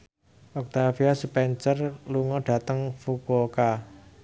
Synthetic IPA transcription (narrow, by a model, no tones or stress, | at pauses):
ʔɔk̚t̪afiasupɛnsərluŋɔɖ̥a̤t̪əŋfukoka